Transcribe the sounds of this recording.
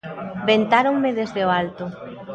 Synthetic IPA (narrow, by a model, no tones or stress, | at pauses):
bent̪aɾoŋmeðezðeoalt̪ʊ